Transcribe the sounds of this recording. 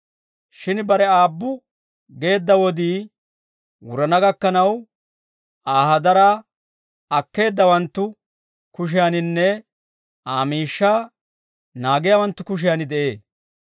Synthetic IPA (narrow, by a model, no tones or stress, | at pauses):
ʃɪnbɐɾɛaːbːʊ | ɡe̞ːd̪ːɐwɔd̪iː | wʊɾɐnɐɡɐkːɐnɐw | aːhɐd̪ɐɾaː | ɐkːe̞ːd̪ːɐwɐnt̪ːʊ | kʊʃ̬ɪjanɪnːɛ | ʔaːmiːʃːaː | naːɡɪjawɐnt̪ːʊkʊʃ̬ɪjanɪd̪ɛʔe̞ː